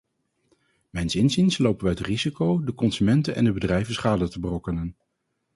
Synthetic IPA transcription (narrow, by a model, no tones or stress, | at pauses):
mɛjnsɪnzinslowpənʋəətrizikowdəkɔnsymɛntənʔɛ̰ndəbədrɛjvənsχaːdətəbərɔkənən